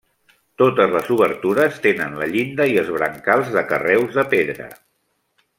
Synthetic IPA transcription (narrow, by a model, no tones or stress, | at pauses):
t̪ot̪əzləzuβəɾt̪uɾəst̪enənlə̰ʎind̪əiəzβɾə̰ŋkalˠzðəkərɛwzðəpeðɾə̰